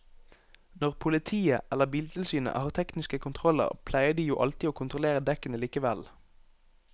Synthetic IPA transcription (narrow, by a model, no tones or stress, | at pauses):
nɔʁpʰʊlɪt̪ʰiːəɛlːəʁbiːlt̪ʰɪlsyːnə̰hɑːʁt̪ʰɛknɪskəkʰʊnt̪ʰʁɔlə̰ʁpʰlæɪəd̪iːjuːʔɑ̰lt̪iːoːkʰʊnt̪ʁʊleːʁəd̪ɛkənəliːkəʋɛl